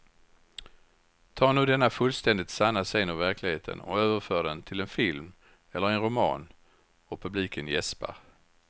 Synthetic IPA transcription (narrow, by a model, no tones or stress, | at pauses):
t̪ʰɑːɳuːd̪ɛnːafɵlst̪ɛnd̪ɪt̪sanːaseːnɔvæɾkʰlɪɡheːt̪ʰə̰nɔ̰øːvəɾfœːɖɛnt̪ʰɪlɛnfɪlm | ɛlːəɾɛnɾʊmɑ̰ːn | ɔpʰɵbliːkʰənjɛspa̰ɾ